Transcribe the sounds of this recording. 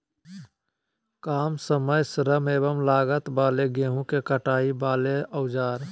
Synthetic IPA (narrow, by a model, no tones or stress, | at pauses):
kaːmsəməjsəɾəmeːbəmlaːɡət̪baːleɡeːɦũkekəʈaːibaːleəʊd͡ʒaːɾ